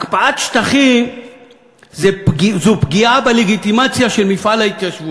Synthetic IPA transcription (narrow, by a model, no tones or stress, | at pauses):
akpaʔat̪ʃt̪aχi | zepizupɡiabeleɡit̪imat͡sjaʃe̞lmifalhait̪jaʃvut